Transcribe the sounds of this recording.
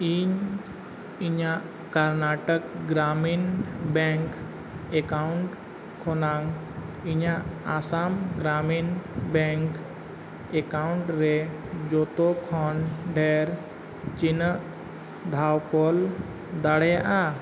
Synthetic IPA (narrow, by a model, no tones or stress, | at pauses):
iːɲ | iɲãʔ | kəɾnaːʈəkɡɾaːmiːnbɛ̃ŋk | ekaʊɳʈ | kʰonaŋ | iɲãaːsaːmɡɾaːmiːnbɛ̃ŋk | ekaʊɳʈɾe | d͡ʒot̪okʰɔnɖʱeːɾ | t͡ʃɪnə | d̪ʱaːwkol | d̪əɽeʔa